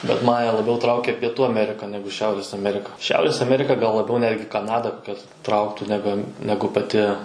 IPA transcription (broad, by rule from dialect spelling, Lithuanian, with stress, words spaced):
bʲɛt ˈmɑːnʲɛ lˠɐˈbʲɛʊ ˈtrɐʊkʲɛ pʲiɛˈtuː ɐˈmʲæːrʲɪkɐ ˈnʲæːɡʊ ˈʃʲɛʊrʲeːs ɐˈmʲæːrʲɪkɐ ˈʃʲɛʊrʲeːs ɐˈmʲæːrʲɪkɐ ɡɐlˠ lˠɐˈbʲɛʊ ˈnʲæːdʲɡʲɪ kɐˈnɑːdɐ ˈkɐs ˈtrɐʊktuː nʲɛˈbʲɛn nʲɛˈɡʊ pɐˈtʲɪ